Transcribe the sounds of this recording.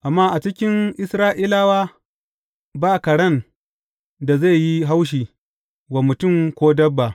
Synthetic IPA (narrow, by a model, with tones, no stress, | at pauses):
ʔa˨mːaː˦ʔa˨t͡ʃɪ˦kʲɪ˦nʔɪ˦sɾaː˦ʔi˦laː˦waː˦ | baː˦˨kɐ˨ɽɐ˦˨n | da˨ze˦˨ji˦ɦa˦wʃ̬iː˨ | wa˨mʊ˨tʊ˦˨mkʷoː˦dɐ˦bːa˨